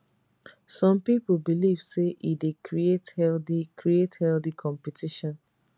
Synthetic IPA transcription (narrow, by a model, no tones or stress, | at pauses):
sɔ̃mpipbiliv̥seʔidekɹiethɛlθikɹiethɛlθikʰɔ̃mpitʰiʃɔ̃n